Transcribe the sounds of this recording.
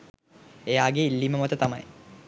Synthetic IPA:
ejaːɡeilːiməmɐt̪ət̪amɐj

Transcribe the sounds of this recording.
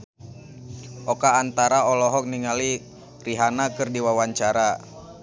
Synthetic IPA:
ʔɔkaːnt̪aɾaɔlɔɦɔk̚niŋali | riɦanakɨrdiwawaɲt͡ʃaɾa

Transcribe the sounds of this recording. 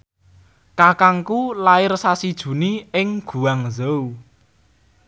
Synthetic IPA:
kakaŋkulaɪrsasid̥ʒ̥ṳniɪŋɡ̥ṳwaŋzow

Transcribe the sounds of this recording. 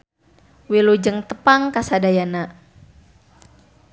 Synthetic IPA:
wilud͡ʒəŋt̪əpaŋkasadajana

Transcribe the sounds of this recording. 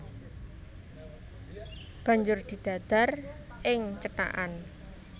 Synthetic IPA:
b̥ä̤ɲd͡ʒʊrd̪̥i̤d̪̥ä̤d̪̥a̤r | ɪŋt͡ʃəta̰ʔan

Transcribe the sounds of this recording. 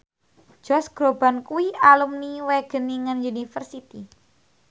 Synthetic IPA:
d͡ʒ̥ɔsɡ̥ɾobankuiʔalumniweɡ̥ə̤niŋənjunifərsit̪i

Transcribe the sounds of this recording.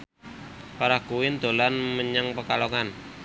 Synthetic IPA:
paɾakuwɪnd̪̥o̤lanməɲəŋpəkaloŋan

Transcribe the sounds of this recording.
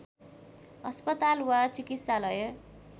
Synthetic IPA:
ʌspʌt̪alwat͡sikit̪salʌjʌ

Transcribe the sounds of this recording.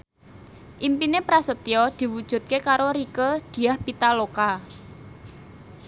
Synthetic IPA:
ʔimpinepɾasət̪iɔd̪̥i̤wud̥ʒ̥ṳt̪̚kekaɾoɾikəd̪̥i̤ahpit̪aloka

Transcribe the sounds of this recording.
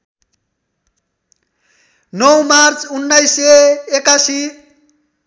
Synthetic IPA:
nɔwmaɾt͡sʰunːajseːkasi

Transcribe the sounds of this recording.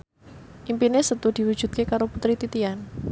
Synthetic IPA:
ʔimpinesət̪ud̥i̤wu̥ʒ̥ṳt̪̚kekaɾoput̪ɾit̪it̪ian

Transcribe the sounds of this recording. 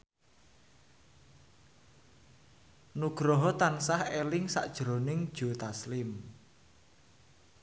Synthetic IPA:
nuɡ̥ɾɔɦɔt̪ansahelɪŋsa̰ʔd̥ʒ̥ɾonɪŋd̥ʒ̥o̤t̪aslɪm

